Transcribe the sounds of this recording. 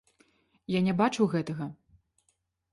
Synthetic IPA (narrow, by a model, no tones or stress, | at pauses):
janʲɛbat͡ʂuwɣɛt̪ɐɣɐ